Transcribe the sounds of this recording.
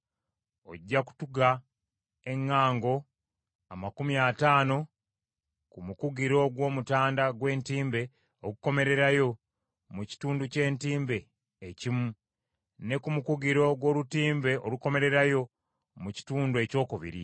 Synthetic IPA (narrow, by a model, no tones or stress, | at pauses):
o̞̰ɟːaku̥tuɡa | e̞ŋːaːŋɡo̞ | amakumiataːno̞ | kumukuɡiɾo̞ɡwo̞ːmutaːndaɡwe̞ːntiːmbe̞ | okuko̞me̞ɾe̞ɾajo̞ | muci̥tuːnduce̞ːntiːmbe̞ː | cimu | ne̞kumukuɡiɾo̞ɡwo̞ːlutiːmbe̞ʔoluko̞me̞ɾe̞ɾajo̞ | muci̥tuːndue̞co̞ːkuβḭɾḭ